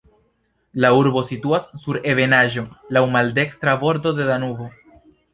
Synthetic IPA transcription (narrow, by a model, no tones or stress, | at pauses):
lauɾbo̞situasːuɾe̞ve̞naʒo̞lawmalde̞kstɾabo̞ɾdo̞de̞danuvo̞